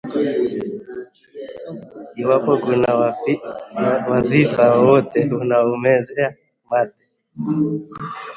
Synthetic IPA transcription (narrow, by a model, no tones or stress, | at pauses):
iwapɔkuna | waðifawɔt̪ɛunaumɛzɛa | mat̪ɛ̥